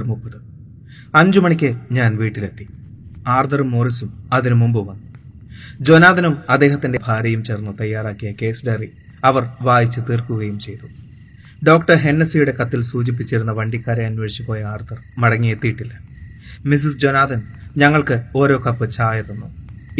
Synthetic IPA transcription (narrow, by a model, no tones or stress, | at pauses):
rmupːɐðɨ | ɐɲd͡ʑumɐɳikʲːɨɲaːnʋiːʈːile̞t̪ːi | aːrd̪ɐrumːoːrisumɐðinumumbɨʋɐnːu | d͡ʑo̞naːd̪ɐnumɐd̪ːe̞ːɦɐt̪ːinde̞bʱaːɾjɐjumt͡ɕe̞ːrnːut̪ɐjːaːraːkːijɐke̞ːsɖeri | ɐʋɐrʋaːjit͡ɕːɨt̪iːrkuɣɐjumt͡ɕe̞jt̪u | ɖo̞ːkʈɐrɦe̞nːɐsijuɽe̞kɐt̪ːilsuːd͡ʑip̬ːit͡ɕːiɾunːɐʋɐɳɖikʲːaːɾeɐnweːɻɕipo̞ːjɐaːrd̪ɐrmɐɽɐŋːijet̪ːijiʈːilːɐmis̬isd͡ʑo̞naːd̪ɐnɲɐŋːɐɭkɨo̞ːɾo̞ːkɐpːɨt͡ɕaːjɐðenːu